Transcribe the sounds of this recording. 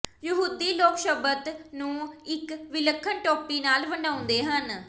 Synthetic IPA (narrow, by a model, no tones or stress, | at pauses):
jəɦuːd̪iːloːkʃəbət̪nũːɪkʋɪləkʰːənʈɔːpiːnaːlʋəɳɖaːʊ̃nd̪eːɦən